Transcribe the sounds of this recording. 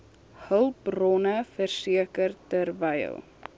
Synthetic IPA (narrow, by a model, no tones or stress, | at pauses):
həlˠprɔnəfərsiəkərtərvəj̰lˠ